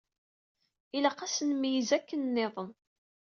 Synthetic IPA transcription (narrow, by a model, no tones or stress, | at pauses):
iləqæsənmijəzækːənːeðˤən